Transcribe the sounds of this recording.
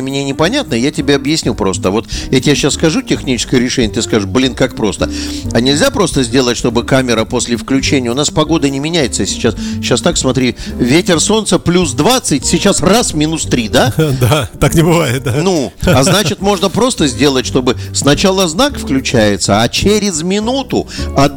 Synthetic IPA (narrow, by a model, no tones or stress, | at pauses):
mʲnʲenʲɪpɐnʲat̪nəjatʲɪbʲeɐbjɪsʲnʲupɾo̞st̪əvo̞t̪jatʲɪjaɕːassːkɐʐutʲɪxnʲit͡ɕɪ̥skəjəɾʲɪʂɛnʲɪət̪ɨskaʐɨʂblʲinkak̚pɾo̞st̪əɐnʲɪlʲzʲapɾo̞st̪əzʲdʲe̞lˠətʲʂt̪o̞bɨkamʲɪɾəpo̞sʲlʲɪfklʲʉt͡ɕenʲɪjəʊnaspɐɡo̞d̪ənʲɪmʲɪnʲæjɪt̪səsʲɪ̥t͡ɕasɕːast̪aksmɐt̪ɾʲivʲetʲɪrso̞nt̪səplʲus̬d̪vat̪sɨtʲsʲɪt͡ɕasrasmʲɪnust̪ɾʲid̪aat̪ːaknʲɪbɨvajɪt̪̚d̪anuɐznat͡ɕɪt̪mo̞ʐnəpɾo̞st̪əzʲdʲe̞lˠətʲʂt̪o̞bɨsnɐt͡ɕalˠəznakfklʲʉt͡ɕæjɪt̪səɐt͡ɕeɾʲɪzmʲɪnut̪ʊɐ